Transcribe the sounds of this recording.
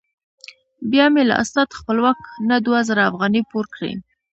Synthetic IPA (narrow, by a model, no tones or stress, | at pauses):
bjɑmela̰ʔa̰snat̪xpəlwɑknad̪wazəɾaːfɣɑnipoɾkɽḛ